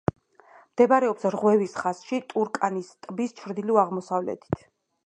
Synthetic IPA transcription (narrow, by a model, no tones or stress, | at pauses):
md̪̥ɛbaɾɛɔpsɾʁwɛvisχasʃit̪ʼuɾkʼanist̪ʼbist͡ʃʰɾd̪iliaʁmɔsavlɛ̰t̪ʰi̥t̪ʰ